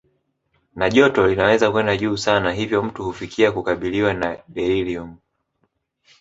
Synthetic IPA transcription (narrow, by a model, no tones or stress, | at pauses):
naʄɔtɔlinawɛzakwɛndaʄuːsanaɦivjɔm̩tuhufikʰiakukaɓiliwanaɗɛilium